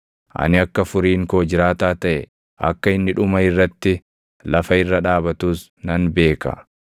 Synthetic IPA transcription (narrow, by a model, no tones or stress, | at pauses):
ʔɐ̰nɪɐkːɐfʊɾiːŋkoːd͡ʒɪɾaːt̪aːt̪ɐʔɛ | ʔɐ̰kːɐɪnːɪᶑʊmɐɪrːɐt̪ːɪ | lɐfɐɪrːɐᶑaːbɐt̪uːs | nɐnbe̞ːkɐ̰